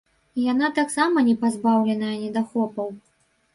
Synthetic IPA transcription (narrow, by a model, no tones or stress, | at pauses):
ijanat̪aksamɐnʲɛpazbawlʲɛnɐjɐnʲɛd̪axɔpɐw